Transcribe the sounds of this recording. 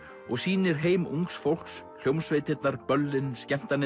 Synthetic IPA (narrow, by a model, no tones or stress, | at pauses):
ɔɣsiːnɪɾ̥ɦeːjmuŋksfowl̥ksʰl̥jowmsvɪːt̪ɪt̪naɾpœlːɪnscɛm̥t̪anɪ